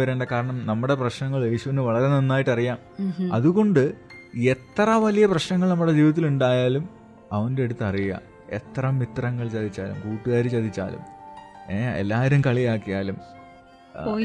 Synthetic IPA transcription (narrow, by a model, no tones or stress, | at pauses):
ɐɾeːɳɖɐkaːɾɐɳɐmnɐmːuɽe̞prɐɕnɐŋːɐɭje̞ːɕuʋɐnːɨʋɐɭɐɾenenːaːjiʈːɐrijaːmɐðuɣo̞ɳɖɨ | e̞t̪ːrɐʋɐlijɐprɐɕnɐŋːɐɭnɐmːuɽe̞d͡ʑiːʋɐt̪ːiluɳɖaːjaːlum | ɐʋɐndeeɽut̪ːɐrija̰ː | e̞̰t̪rɐmːit̪rɐŋːɐɭt͡ɕɐd̪it͡ɕːaːlṵmkuːʈːuɣaːɾit͡ɕɐd̪it͡ɕːa̰ːlṵmeːḛlːaːʋɐɾumkɐɭijaːkːijaːlum